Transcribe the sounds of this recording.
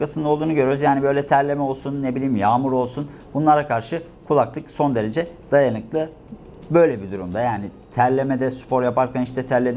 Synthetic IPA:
kasɯnd̪aolˠd̪uːnuɟøɾyɾyzjaːnibø̞jlʲɛt̪ʰæɾlʲe̞mɛo̞lˠsunːebilʲiːmjaːmuɾo̞lˠsunbunlˠaɾakʰaɾʃɯ | kʰulˠaklˠɯkso̞nd̪e̞ɾe̞d͡ʒɛd̪̥ajanɯklˠɯ | bø̞jlʲɛbid̪uɾumd̪ajaːni | t̪ʰæɾlʲemɛd̪ɛspʰo̞ɾjapaɾcʰaniʃt̪ɛt̪ʰæɾlʲed̪

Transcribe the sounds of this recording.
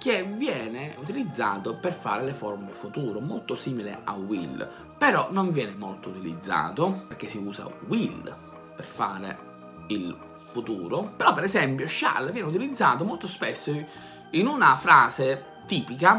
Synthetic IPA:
k̟evjɛːnɪut̪ilid̪zːa̰ːt̪operfa̰ːɾelefɔɾmulefut̪uːɾomolt̪osiːmilɪ̰a̰wḭl | peɾɔnoɱvjɛːnɪmolt̪out̪ilḭd̪zːa̰ːt̪operk̟esːiuːsa̰wil | perfaːɾḛ | il | fut̪uːɾopeɾɔpːɛɾɛsɛmpjʊʃa̰lvjɛːnɪut̪̬ilid̪zːaːt̪̬omolt̪ospesːo | inunafɾaːse | t̪iːpika

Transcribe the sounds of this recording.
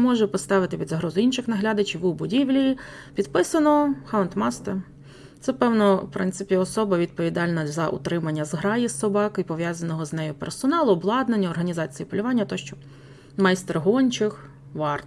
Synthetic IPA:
mɔʒɛpɔst̪ɑʋɪt̪ɪpʲid̪zɐɦɾɔzʊinʃɪxnɐɦlʲɑd̪ɐt͡ʃiʋubʊdʲiʋlʲiji | pʲid̪pɪsɐnɔxaʊnt̪mɑst̪e | t̪sɛpɛwnɔpɾɪ̰nsɪpʲiɔsɔbɐʋʲid̪̚pɔʋʲid̪ɑlʲnɐzɐʔṵt̪ɾɪmɐnʲːɐzɦɾɑjisɔbɑkɔipɔʋjazɐnɔɦɔznɛjʊpḛrsɔnɑlˠʊːblˠɑd̪nenʲːɐɔrɦɐnʲizɑt͡sʲijipɔlʲʊʋɑnʲːɐt̪ɔʃt͡ʃɔ | mɐjst̪erɦɔnʲt͡ʃɪx | ʋɑrt̪

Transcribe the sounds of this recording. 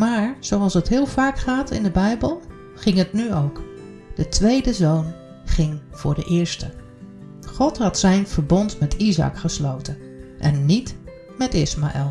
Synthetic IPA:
maːɹz̥owɑlˠsətɦɪːlˠvaːkχaːtɪ̰ndəbɛjbəlˠ | χɪŋətnyowk | d̥ətʋejdəzown | χɪŋv̥ʊ̰ːɹdə̰ʔɪːɹstə | χɔtɦɑtsɛjnv̥əɹbɔntmɛtʰizɑ̰kχəslowtən | ʔɛ̰nːit | mɛtɪsmaʔɛ̰lˠ

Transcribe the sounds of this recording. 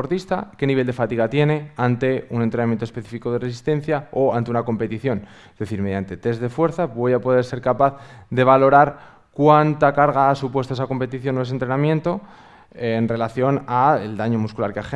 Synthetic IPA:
oɾt̪ist̪a̰ke̞niβe̞ld̪e̞fat̪iɣ̞at̪je̞ne̞ant̪e̞unent̪ɾenamjent̪ospe̞θifiko̞ð̞eresist̪e̞n̟θjaoant̪e̞unako̞mpe̞t̪iθjo̞n | ezðe̞θiɾmeðjant̪et̪e̞zðe̞fwe̞ɾθaβo̞japo̞ð̞eɾse̞ɾkapaθðe̞β̞alo̞ɾaɾ | kwant̪akaɾɣaasupwest̪oesako̞mpe̞t̪iθjo̞noes̬ent̪ɾe̞namjẽ̞nt̪o̞ | nre̞laθjo̞naeld̪aɲo̞muskulaɾkeax

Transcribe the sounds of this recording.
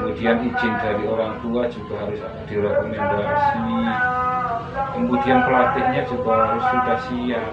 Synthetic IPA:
mudianid͡ʒɪndaɾioɾaŋt̪uad͡ʒuɡaɦaɾʊs | d̥iɾɛkomɛndasi | əmbudianpəlat̪ɪhɲad͡ʒuɡaɦaɾʊst̪it̪asia

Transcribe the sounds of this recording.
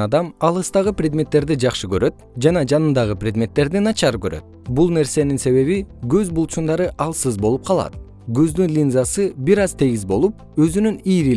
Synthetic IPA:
ɑd̪ɑmɑlˠɯst̪ɑʁɯprʲed̪mʲe̞t̪ːe̞ɾd̪id͡ʒɑχʃɯkø̞ɾø̞t̪̚d͡ʒɑnɑd͡ʒɑnɯnd̪ɑʁɯprʲe̞d̪mʲe̞t̪ːe̞ɾd̪inɑt͡ʃɑɾkøɾø̰t̪̚bulˠne̞ɾse̞ninse̞βe̞βiɡøzbulˠt͡ʃund̪ɑɾɯʔɑlˠsɯzbo̞lˠup̚qʰɑlˠɑ̰t̪̚ | ɡøzd̪ynlʲinzɑsɯbiɾɑzt̪ʰe̞ɡizbo̞lˠup̚ | øzynyniːɾi

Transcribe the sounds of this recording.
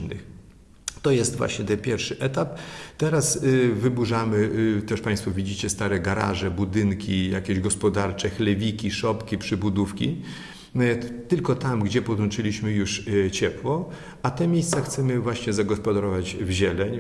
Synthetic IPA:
nɨ̰x | t̪ɔjɛst̪vwa̰ɕɲɛt̪ɛpʲjɛɾfʂɘʔɛt̪apt̪ɛɾasvɘbuʐamɘt̪ɛʂpãj̃st̪fuvʲid͡ʑit͡ɕɛst̪aɾɛɡaɾa̰ʐɛbud̪ɘŋkʲija̰kʲɛʑɡɔspɔd̪aɾt͡ʂɛxlɛvʲikʲiʂɔpkʲipʂɘbud̪ufkʲḭ | t̪ɘlkɔt̪amɡd͡ʑɛpɔd̪wɔnt͡ʂɘlʲiɕmɘjuʂt͡ɕɛpwɔ | at̪ɛmʲjejst̪saxt̪sɛmɘvwaɕɲɛzaɡɔspɔd̪aɾɔvad͡ʑvʑɛlɛɲ

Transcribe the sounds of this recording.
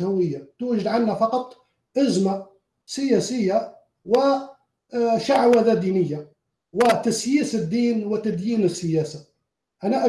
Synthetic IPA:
hʊwɪjːat̪uːʒɪd̪ʕanhafɑqɑt̪ˤ | ʔazma | sɪjæːsɪjːa | wɪ | ʃaʕwaðad̪iːnɪjːa | wɪt̪asjiːsɪd̪ːiːnwɪt̪ad̪jiːnəsːɪjaːsa | ʔanaʔa

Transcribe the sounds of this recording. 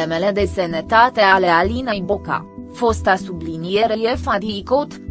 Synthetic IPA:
emele̞d̪e̞senet̪at̪e̞ale̞alinejboka̰ | fo̞st̪asublinijeɾejefad̪ikot̪

